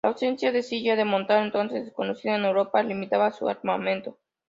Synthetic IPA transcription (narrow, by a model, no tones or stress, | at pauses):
laːwse̞nsjaðe̞siʝaðemo̞nt̪aɾent̪o̞nsezeko̞no̞siðaene̞wɾo̞palimit̪aβasua̰ɾmamẽ̞nt̪o̞